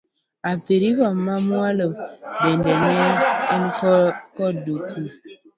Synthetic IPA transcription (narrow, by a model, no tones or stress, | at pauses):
atiɾivɔmamwalobɛndɛnɛinkkɔdukʰu